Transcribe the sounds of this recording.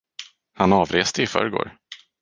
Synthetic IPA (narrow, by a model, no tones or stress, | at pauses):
hanɑːvɾeːst̪əɪfœ̰ːɾɡo̰ːɾ